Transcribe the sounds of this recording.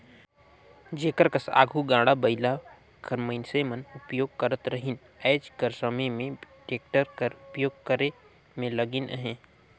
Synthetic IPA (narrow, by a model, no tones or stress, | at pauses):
d͡ʒeːkəɾkəsa̰ːɡʱuɡãːɽabəɪla | kəɾməɪnseːmənʊpjoːɡ̚kəɾət̪ɾəɦɪn | ɛːd͡ʒkəɾsəməjmẽʈeːk̚ʈəɾkəɾʊpjoːɡ̚kəɾe | mẽləɡɪnɦẽː